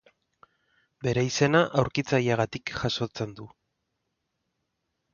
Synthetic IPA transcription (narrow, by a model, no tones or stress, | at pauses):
be̞ɾeise̞naʔawɾkit͡sajaɣ̞at̪ikʝaso̞t͡se̞nd̪u